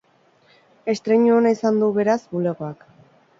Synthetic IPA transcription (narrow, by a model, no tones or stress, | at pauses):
e̞st̪ɾe̞ɲuonaisand̪uβe̞ɾazbule̞ɣo̞ak